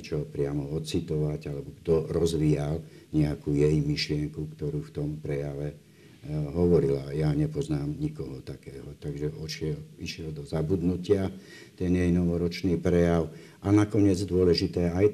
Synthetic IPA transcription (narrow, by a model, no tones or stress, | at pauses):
ɛt͡ʃɔpɾɪamɔɔt̪t͡sit̪ɔʋaɟalɛbɔɡd̪ɔɾɔzʋiːalɲɛakuːjɛjmiʃlɪɛŋkukt̪ɔɾuːft̪ɔmpɾɛjaʋɛ | ɦɔʋɔɾila̰jaɲɛpɔznaːmɲikɔɦɔt̪akɛːɦɔt̪aɡʒɛʔɔʃɪɛliʃɪɛld̪ɔzabud̪nucɪa | t̪ɛnjɛjnɔʋɔɾɔt͡ʃniːpɾɛjaʊ | ʔanakɔɲɪɛd͡zd̪ʊɔlɛʒit̪ɛːaj